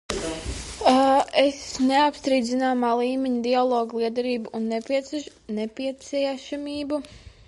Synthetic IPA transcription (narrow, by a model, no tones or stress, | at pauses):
esneapst̪ɾiːd̪zinaːmaːlˠiːmeɲd̪ialˠɔːɡlˠiɛd̪ɛɾiːbuʔunːep | nepʲiɛt̪siɛʃamiːbu